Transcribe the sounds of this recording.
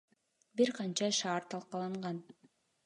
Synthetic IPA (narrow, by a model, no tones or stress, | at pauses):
biɾqɑnt͡ʃɑʃɑːɾt̪ʰɑlˠqɑlˠɯɴʁɑn